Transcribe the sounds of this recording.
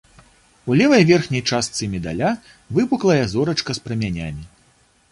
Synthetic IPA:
ulʲɛvɐjvʲɛrxnʲɐjt͡ʂast̪sɨmʲɛd̪a̰lʲa | vɨbuklˠɐjɛzɔɾɐt͡ʂkɐspɾɐmʲanʲamʲi

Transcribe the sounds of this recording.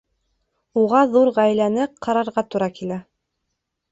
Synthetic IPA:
uʁɑðuɾʁæjlænɘqʰɑɾɑɾʁɑt̪uɾɑkilæ

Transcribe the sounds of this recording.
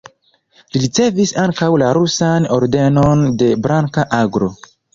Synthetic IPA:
liɾit͡se̞visaŋkawlaɾusano̞ɾde̞no̞nde̞bɾaŋkaʔaɡɾo̞

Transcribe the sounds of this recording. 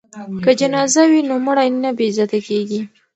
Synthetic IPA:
kəd͡ʒanɑzawinomʊɽajnabezɑt̪akeɡi

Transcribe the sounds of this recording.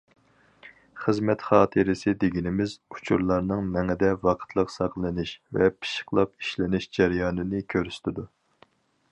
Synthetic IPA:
χəzmɛt̪χɑːt̪ʰɨɾɪsɪd̪eɡʲinɪmɪzu̥t͡ʃʰuɾlˠɑɾnɨŋmɛŋɪd̪ɛvɑqʰə̥t̪ʰlˠəqsɑqlˠɨnɪʃvɛ̰pʰi̥ʃə̥qlˠɑpi̥ʃlɪnɪʃd͡ʒæɾjɑːnɪnɪkʲʰøɾst̪ʰɪd̪u

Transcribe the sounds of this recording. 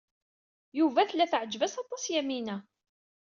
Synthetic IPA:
juvæθlːæθʕəd͡ʒvæsɑt̪ˤɑsjæminæ

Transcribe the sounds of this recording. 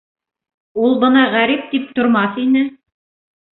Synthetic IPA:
ulˠbɤnɑʁæɾip̚t̪ip̚t̪ŏɾmɑθinɘ

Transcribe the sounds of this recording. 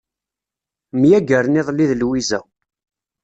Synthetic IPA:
mjæɡəɾnɪðˤlːiðlwizæ̰

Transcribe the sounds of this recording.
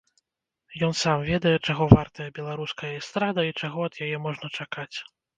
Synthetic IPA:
jɔnsamvʲɛd̪ɐjɛt͡ʂaɣɔvart̪ɐjɐbʲɛlˠaɾuskɐjɐist̪ɾad̪ɐit͡ʂaɣɔɐd̪̥jajɛmɔʐnɐt͡ʂakat͡sʲ

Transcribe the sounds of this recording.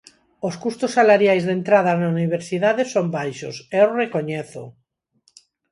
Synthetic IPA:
oskust̪osːalaɾjajzðent̪ɾað̞anauniβ̞eɾsiðaðesombajʃo̰seorekoɲeθo̰

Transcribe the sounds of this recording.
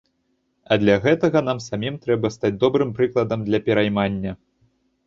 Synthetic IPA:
ɐd̪lʲɐɣɛt̪ɐɣɐnamsamʲimt̪ɾɛbɐst̪ad͡zʲd̪ɔbɾɨmpɾɨklˠɐd̪ɐmd̪lʲɐpʲɛɾajmanʲːɐ

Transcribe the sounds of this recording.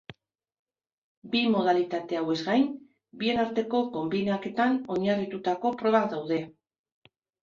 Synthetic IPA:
bimo̞ðalit̪at̪e̞awe̞zɡajn | bie̞naɾt̪e̞ko̞ko̞mbinake̞t̪ano̞ɲarit̪ut̪ako̞pɾo̞βaðawðe̞

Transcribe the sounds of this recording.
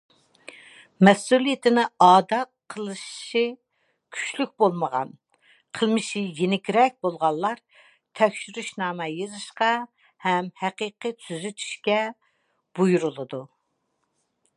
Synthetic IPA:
mɛsulˠijɪt̪ʰɪnɪɑːd̪ɑqʰəlˠɨʃʃi | kʲʰy̥t͡ʃlyk̚ʲbolˠməʁɑ̰n | qʰəlˠmɨʃɪjenɪkʲɾɛk̚ʲbolˠʁɑnlˠlːˠɑɾ | t̪ʰɛkʲʃyɾyʃnɑːmɛjɨzɨʃqɑ | hɛmhæqəːqɨt̪ʰyzyt̪ʰy̥ʃkʲɛ | b̥ujuɾulˠɨd̪u

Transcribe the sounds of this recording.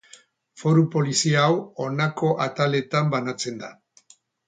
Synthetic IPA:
fo̞ɾupo̞lisiawo̞nako̞ʔat̪ale̞t̪ambanat͡se̞nd̪a

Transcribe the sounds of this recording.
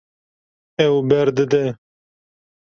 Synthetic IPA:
ɛwbɛɾd̪ɨd̪ɛ

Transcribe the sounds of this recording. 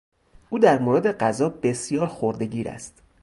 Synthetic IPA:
ʔuːd̪æɾmoːɾed̪e̞ɢæzɒːbe̞sjɒːɾxoɾd̪e̞ɟiːɾæ̰st̪

